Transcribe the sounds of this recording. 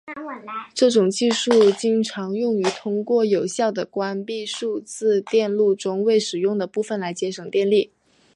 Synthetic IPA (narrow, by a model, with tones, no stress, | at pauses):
ʈ͡ʂɤ˥˩ʈ͡ʂʊ˨˩ŋt͡ɕi˥˧ʂu˥˩t͡ɕi˥ŋʈ͡ʂʰɑ˧˥ŋjʊ˥˩ŋy˧˥t̪ʰʊ˥ŋkwɔ˥˩jo˨˩ʊɕjɑ˥˩ʊd̪ə˩kwa˥npi˥˧ʂu˥˧t͡sɹ̩˥˧t̪jɛ˥˧nlu˥˩ʈ͡ʂʊ˥ŋwe˥˩ɪʂɻ̩˨˩jʊ˥˩ŋd̪ə˩pu˥˩fə˨˩nla˧˥ɪt͡ɕjɛ˧˥ʂɤ˨˩ŋt̪jɛ˥˧nli˥˩